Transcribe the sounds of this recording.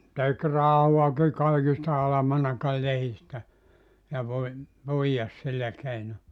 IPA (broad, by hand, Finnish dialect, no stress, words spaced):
tek rɑhuɑki kɑikis ɑlɑmɑnɑkɑl lehistæ jɑ ʋoi puijɑs silːæ keino